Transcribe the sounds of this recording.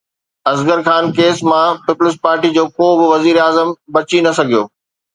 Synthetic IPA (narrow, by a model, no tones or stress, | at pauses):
ɐzɡəɾxaːnkeːsmãpɪpʊlɪs̬paːɾʈid͡ʑoːkoːbʊʋɐziːɾaːzəmbɐt͡ɕinɐsɐɡʱijo̰ː